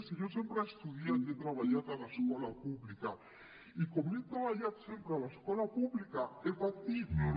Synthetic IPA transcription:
siʝosempɾaest̪uðjat̪et̪ɾaβaʎaðalaeskwolapuβlika | ikomet̪ɾaβaʎaðsempɾealaeskwolapuβlikaefat̪iðo

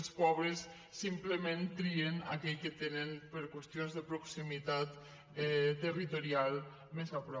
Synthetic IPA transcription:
lspɔβɾəsː | impləmẽnt̪ɾiena̰kɛʎket̪enənpəɾkwest̪jonzðəpɾoksimit̪at̪ | ɛt̪ərit̪oɾialˠ | mezapɾɔ

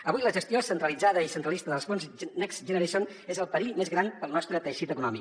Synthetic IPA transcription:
əβujləʒəst̪iosənt̪ɾəlid͡zaðəisənt̪ɾəlˠist̪əðəlˠzfonznɛkzʒənəɾeʃon | ezəlˠpəɾiʎmezɣɾanpəlˠnɔst̪ɾət̪əʃit̪əkunɔmi

